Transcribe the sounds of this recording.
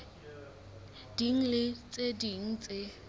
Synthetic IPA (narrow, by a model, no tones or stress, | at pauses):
d̥iŋ̩lɪt͡sʼediŋ̩t͡sʼɪ